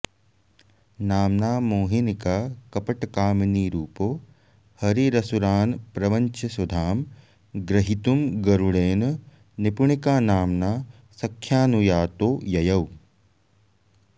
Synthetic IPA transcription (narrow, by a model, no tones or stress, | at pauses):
naːmnaːmoːɦinikaːkɐpɐʈɐkaːmɐniːɾuːpoː | hɐɾiɾɐsuɾaːnpɾɐʋɐɲt͡ʃɐsud̪ʱaːm | ɡɾɐɦit̪umɡɐɾuɽeːnɐ | nipuɳikaːnaːmnaː | sɐkʰːjaːnujaːt̪oːjɐjɐw